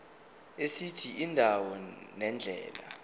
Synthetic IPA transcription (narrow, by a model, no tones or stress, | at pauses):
esitʰiindʱawɔnɛnd͡ɮʱɛ̰ːla̰